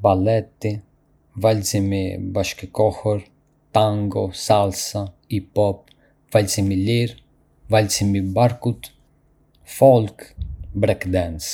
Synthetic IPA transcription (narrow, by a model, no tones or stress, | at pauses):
balɛt̪ːi | valzimḭbaʃkəkɔhɔɾ | t̪aŋɡɔsalsa | ipɔp | valzimiliɾ | valsimibaɾkut̪ | fɔlkbɾɛkd̪ɛns